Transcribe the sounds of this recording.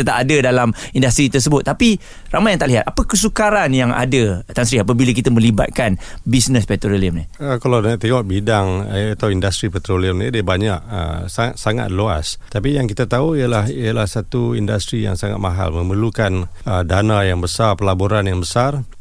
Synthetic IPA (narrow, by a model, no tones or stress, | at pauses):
ət̪aʔadədalamindast̪ɾit̪ərs̬əbʊt̪ːapi | ramajaŋt̪aʔliɦat̪apəkəsukaɾanjaŋa̰dət̪ansɾiap̬abilak̬it̪amə̃liba̰t̪̚kanbisnəspɛt̪ɾoliəmniəkalawdaʔt̪eŋɔʔbidaŋat̪awindast̪ɾipɛt̪ɾoliəmnidiəbaɲaʔə̰saat̪saŋa̰t̪̚loa̰st̪apijaŋkit̪at̪auijalahijalahsat̪uindast̪ɾija̰ŋsaŋa̰t̪̚maɦa̰lmə̃məlukan | ədanajaŋbəsarpəlaboɾanjaŋbəsar